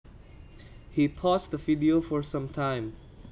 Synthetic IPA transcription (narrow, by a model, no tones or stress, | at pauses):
hipʰɔsðəvidiofɔɹsʌ̃mtʰãɪ̃m